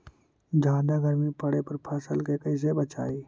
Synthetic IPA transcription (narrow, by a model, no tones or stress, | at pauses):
d͡ʒʱãːd̪aɡəɾmipəɽepəɾpʰaːsəlkekəɪs̬ebət͡ʃa̰ːi